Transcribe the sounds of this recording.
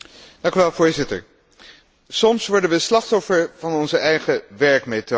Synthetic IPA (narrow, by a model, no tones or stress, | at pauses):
d̥ɑ̃ŋkyʋɛlˠvoːɹzɪtə̰ɹ | sɔmsʋɔɹdənʋəslɑχtɔfəɹvɑnɔnzəʔɛjχəʋɛɹkmeto